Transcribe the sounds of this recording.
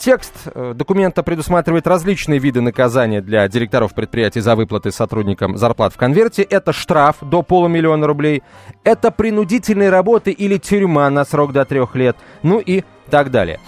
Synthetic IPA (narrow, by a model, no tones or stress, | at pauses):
tʲe̞kst̪d̪əkʊmʲe̞nt̪əpɾʲɪd̪ʊsmat̪ɾʲɪvəjɪt̪rɐzʲlʲit͡ɕnɨjəvʲid̪ɨnəkɐzanʲɪjəd̪lʲɐdʲɪɾʲɪk̚t̪ɐɾo̞fpɾʲɪt̪pɾʲɪjætʲɪjzɐvɨplˠət̪ɨsɐt̪ɾudʲnʲɪkəmzɐrplˠa̰t̪fkɐnvʲe̞rtʲɪʔɛt̪əʂt̪ɾafd̪o̞po̞lˠəmʲɪlʲɪo̞nəɾʊblʲejɛt̪əpɾʲɪnʊdʲitʲɪlʲnɨjəɾɐbo̞t̪ɨʔilʲɪtʲʊɾʲmanɐsɾo̞ɡd̪ɐt̪ɾʲo̞xlʲe̞t̪̚ | nuʔi | t̪aɡd̪a̰lʲɪ̰jə̰